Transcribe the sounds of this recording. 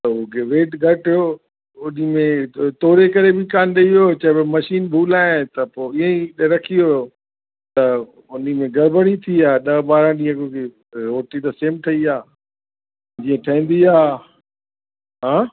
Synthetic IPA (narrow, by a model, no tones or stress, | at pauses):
t̪ɐʊkʰeʋeːʈɡʱɐʈo | ʊnimẽt̪oːɾekɐɾebɪkaːnɗeioːt͡ɕɐɦbɪmɐʃiːnbʱuːlaːɪt̪ɐpoːɪɦẽiɗɾɐkʰioo | t̪ɐ | ʊnimẽɡɐɾbəɽit̪ʰiaːɗɐɓaːɾãɗĩə̃kʊke | ɾoːʈit̪ɐseːmʈʰɐiaː | d͡ʑiːə̃ʈʰɐĩːn̆d̪iaː | ɦãː